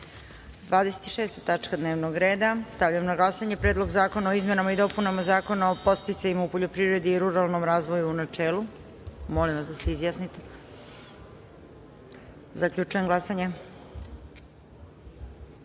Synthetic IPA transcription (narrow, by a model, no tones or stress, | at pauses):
d̪ʋaːd̪ese̥t̪i̥ʃeːst̪at̪at͡ʂkad̪ne̞ːʋnoɡɾe̞ːd̪ast̪aʋʎamonaɡlˠasaɲe̞pɾeːd̪lˠo̞ɡzaːko̞naoizme̞namaid̪o̞punamazaːko̞naopo̞st̪it̪saɲimaupo̞ʎo̞pɾivɾe̞d̪iːɾuɾalˠno̞mɾaːzʋo̞juːnat͡ʃeːlˠu | mo̞limʋasd̪aseizjasnit̪e | zakʎut͡ʃujemɡlasaɲe̞